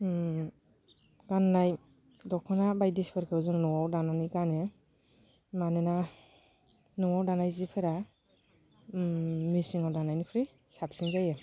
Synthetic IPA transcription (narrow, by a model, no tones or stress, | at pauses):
kanːaj | dɔkʰɔnabajdiskʰɯɾkʰɯɔzɯŋnɔwawdananikane | manena | nɔwawdanajzipʰeɾa | misiŋawdanajnipʰɾi | sapsiŋzaje